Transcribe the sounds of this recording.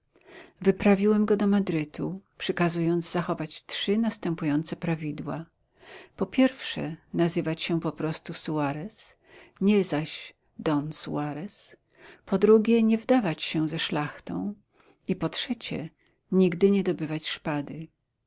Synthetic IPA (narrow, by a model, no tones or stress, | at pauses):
vɘpɾavʲiwɛmɡɔd̪ɔmad̪ɾɘt̪upʂɛkazujɔnd̪zzaxɔvat͡ɕtʂɘnast̪ɛmpujɔnt̪sɛpɾavʲid̪wa | pɔpʲjɛɾfʂɛ̰nazɘvat͡ɕɕɛpɔpɾɔst̪usuaɾɛs | ɲɛzaɕ | d̪ɔnsuaɾɛs | pɔd̪ɾuɡʲjɛɲɛvd̪avat͡ɕɕɛzɛʂlaxt̪ɔ̰̃w̃ | ipɔtʂɛt͡ɕɛ̰ | ɲiɡd̪ɘɲɛd̪ɔbɘvat͡ɕʂpad̪ɘ